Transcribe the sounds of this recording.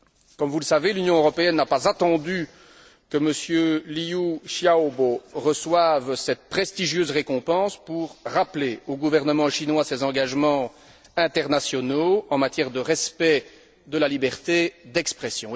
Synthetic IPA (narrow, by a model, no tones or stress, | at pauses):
kɔmvuləsavelynjɔ̃øʁɔpeɛnːapazat̪ɑ̃d̪y | kəməsjøliuʃjaoboʁəswavsɛt̪̚pχɛst̪iʒjøːzʁekɔ̃pɑ̃spuʁːapleoɡuvɛʁnəmɑ̃ʃinwasɛzɑ̃ɡaʒmɑ̃ | ɛ̃t̪ɛʁnasjɔnoɑ̃mat̪jɛʁd̪əʁɛspɛ | d̪əlalibɛʁt̪ed̪ɛkspχɛsjɔ̃